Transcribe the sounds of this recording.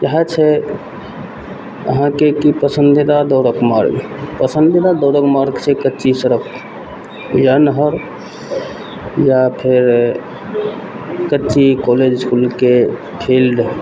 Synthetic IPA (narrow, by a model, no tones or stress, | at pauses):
jəɦat͡ʃʰɛ | ə̰ɦãkekipəsənd̪id̪ad̪ɔɾəkmaɾɡ | pəsənd̪id̪ad̪ɔʊɾəkmaɾɡt͡ʃʰekətːt͡ʃisəɾək | jənɦəɾ | japʰeɾ | kətːt͡ʃikɔled͡ʒskulke | pʰilɖ